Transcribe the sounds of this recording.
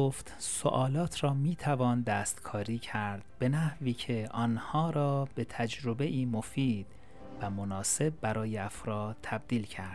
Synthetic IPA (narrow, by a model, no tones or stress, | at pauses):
oft̪so̰ʔɒːlɒːt̪ʰɾɒːmiːt̪ʰævɒːnd̪æːst̪kʰɒːɾiːcʰæɾd̪̥b̥e̞næhviːcʰe̞ʔɒːnhɒːɾɒːb̥e̞t̪ʰæd͡ʒɾo̞be̞ʔiːmofiːd̪̥ | væmonɒːse̞b̚ːæɾɒːjeæfɾɒːd̪ʰæb̚d̪iːlcʰæɾd̪̥